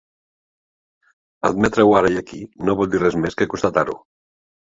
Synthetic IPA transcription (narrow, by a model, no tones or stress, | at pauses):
əd̪̚mɛt̪ɾewaɾaiakinoβɔlˠd̪irɛzmeskekunst̪at̪aɾṵ